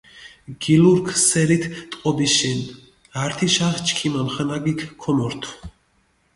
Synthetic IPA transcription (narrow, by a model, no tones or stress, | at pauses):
ɡ̥iluɾkʰsɛɾit̪ʰt̪ʼqʼɔbiʃɛn | aɾt̪ʰiʃaχt͡ʃʰʼkʰimamχanaɡikʰkʰɔmɔɾt̪ʰw